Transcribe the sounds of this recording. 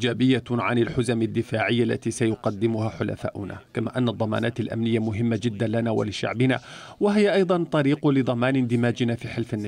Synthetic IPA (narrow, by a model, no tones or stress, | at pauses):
d͡ʒaːbɪjːaʕanalħʊzamad̪ːɪfaːʕɪjːalːa̰t̪iːsajʊqɑd̪ːɪmʊhaːħʊla̰fa̰ːʔʊna̰kamaːʔanːad̪ˤːɑma̰ːnaːt̪alʔa̰mnɪjːamʊɦɪmːad͡ʒɪd̪ːanlanaːwa̰lɪʃa̰ʕbɪna̰ | waɦɪjːaʔɑjd̪ˤɑnt̪ˤɑɾiːqʊlɪd̪ˤɑmaːnɪnd̪ɪmaːd͡ʒɪnaːfiːħɪlfɪnːa